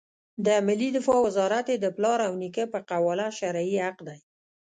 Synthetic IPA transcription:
d̪əmɪlid̪ɪfɑwɪzɑɾat̪jed̪əplɑɾawnikəpəqawɑlaʃaɾaiaqd̪aj

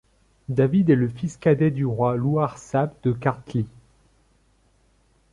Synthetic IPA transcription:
d̪avid̪ɛləfiskad̪ɛd̪yʁwaluaʁsabd̪̥əkaʁt̪li

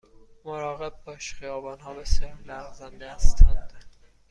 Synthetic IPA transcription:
moɾɒːɣeb̚ːɒːʃχijɒːbɒːnɦɒːbesjɒːɾlæɣzænd̪ehæst̪ʰænd̪̥

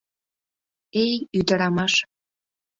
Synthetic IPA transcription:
ejyd̪əɾɑmɑʃ

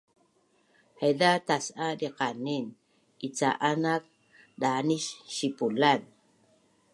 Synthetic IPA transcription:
hedatasʔadiqanin | it͡sa̰ʔanak̚ | ɗaniʃʃipulan

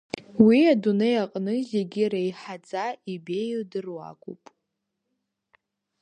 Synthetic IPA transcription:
wiadunejaqʼnɨzeɡʲiraiħad͡zʼaibe̞jdɨrwa̰kʷʼupʼ

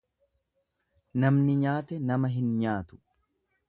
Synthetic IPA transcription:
nɐmnɪɲaːt̪ɛnɐmɐɦɪnɲaːt̪ʊ̥

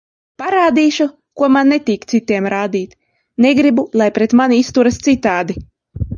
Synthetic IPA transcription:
paɾaːd̪iːʃu | kuɔmanːet̪iːkt̪sit̪iɛmɾaːd̪iːt̪ʲ | neɡɾibulˠajpɾɛt̪maniist̪uɾast̪sit̪ːaːd̪i

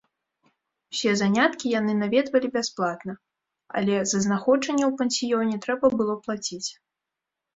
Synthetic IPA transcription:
w̥sʲɛzanʲat̪kʲijanɨnavʲɛd̪vɐlʲibʲasplˠat̪nɐ | ɐ̰lʲɛzɐznaxɔd͡ʐɐnʲːɛwpɛnʲsʲijɔnʲɛt̪ɾɛbɐbɨlˠɔplˠat͡sʲit͡sʲ

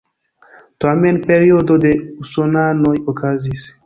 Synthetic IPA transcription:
t̪amenpeɾiod̪od̪eusonanojokazis

